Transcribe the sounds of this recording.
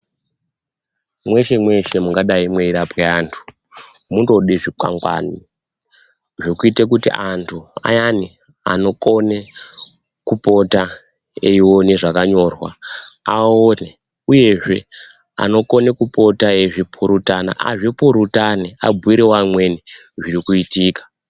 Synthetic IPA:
mwe̞ʃe̞mwe̞ʃe̞muŋɡaɗaimweiɾapeaːntʰu̥ | mundo̞ɗiʐika̰ŋɡwa̰ni | ʐokuitekutḭʔantʰua̰jani | a̰no̞ko̞ne | kupo̞ta | eiwoneʐakaɲo̞rwa̰aone | uje̞ʐe̞ | a̰no̞ko̞ne̞kupo̞taeʐipʰuɾutana̰ʔa̰ʐipuɾutaniabʱuiɾewamweniʐirikuitiːkḁ

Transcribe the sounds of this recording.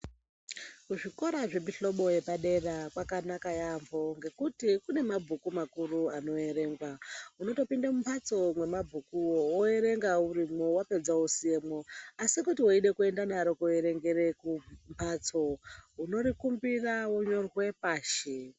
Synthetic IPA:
kuʐiko̞ɾaʐe̞biɬo̞ɓo̞je̞paɗe̞rakwakanakajambʱo̞ŋɡe̞kutikune̞mabʱukumakuruano̞e̞ɾe̞ːŋɡwauno̞to̞pindamumpʰat͡so̞mwe̞mabʱukuwowoe̞ɾe̞ŋɡauɾimwowape̞d͡zausie̞mwoasikutiwoiɗe̞kue̞ndanaɾo̞kueɾe̞ŋɡe̞ɾe̞kumpʰat͡so̞uno̞ɾikumbirawoɲo̞rwe̞paːʃe

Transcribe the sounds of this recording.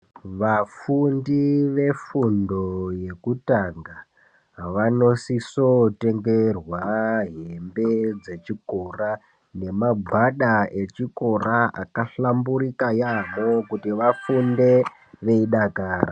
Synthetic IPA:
ʋafundiʋe̞fundo̞je̞kutaŋɡa | ʋano̞sisote̞ŋɡerwaɦembe̞d͡ze̞t͡ʃiko̞ra | ne̞maɡʱwaɗae̞t͡ʃiko̞ɾaa̰kaɬambuɾikajamokutiʋafunde̞ | ʋe̞iɗakaːɾa

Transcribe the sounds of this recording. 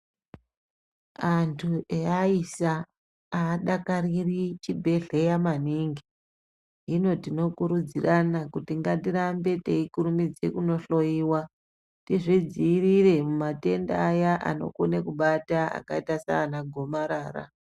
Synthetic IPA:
antʰuʔeaisa | aːɗakaririt͡ʃibʱe̞ɮe̞jamaniŋɡi | ino̞tino̞kuɾud͡ziranakutiŋɡadiɾambe̞te̞ikuɾumid͡ze̞̰kuno̞ɬo̞iːwa | tiʐid͡ziːrire̞mumate̞ndaːjaʔa̰no̞̰konekuɓataa̰kaitasa̰ːnaɡʱo̞maɾaːra̰

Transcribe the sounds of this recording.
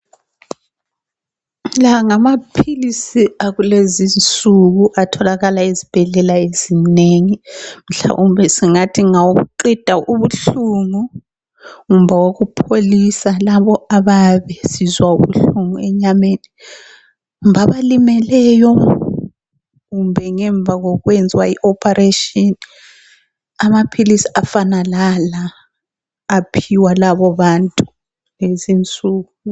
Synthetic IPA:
laŋamapʰilisiaɣulezint͡sʼuɣuʔatʰɔlaɣalaezib̥ʱɛɮɛlaezineŋim̩ɬa̰ʔumbɛsiŋatʰiŋawuɣṵǃid̥ʱaʔuβuɬuŋu | ŋumbvawoɣupʰolisalaβɔaβaβɛsizwauβuɬuŋuɛɲameːni | ŋumvʱaβalimɛlɛjɔ | ɣumbʱɛŋɛɱb̪vʱaɣɔɣwɛnd͡zʱwaiʔɔpʰʼaɾetʼini | amapʰilisi̥ʔafanalalaː | pʰiwalaβɔβantʼu | lezint͡sʼuːɣu

